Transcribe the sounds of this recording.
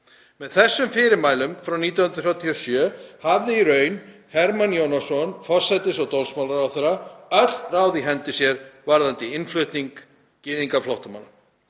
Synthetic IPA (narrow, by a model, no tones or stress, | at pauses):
mɛðθɛsːʏmfɪːɾɪɾmaːjlʏmfɾawniːt̪̬jawhʏnɾ̥θjawt̪ʰiɔsjœːhavðɪiɾœːɥnhɛɾmanjownasɔnfɔr̥sɛt̪ɪsɔwt̪olsmawlaɾawθeɾaœt̪l̥raːwðiɦɛnt̪ɪsjɛɾvaɾðant̪ɪɪnflʏht̪niŋk | cɪːðiŋkaflɔwht̪ama̰na